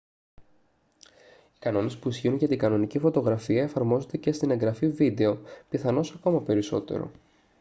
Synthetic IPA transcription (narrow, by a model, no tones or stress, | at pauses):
i̥kɐno̞ne̞spuisçiunʝɐt̪iɡɐno̞nicifo̞t̪o̞ɣɾɐfiɐe̞fɐɾmo̞zo̞nd̪e̞ce̞st̪ine̞ŋɡɾɐfivid̪e̞o̞piθɐno̞sɐko̞mɐpe̞ɾiso̞̰t̪e̞̰ɾo̞̰